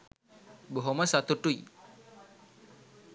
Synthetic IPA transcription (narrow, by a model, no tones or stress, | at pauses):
boɦoməsat̪uʈuj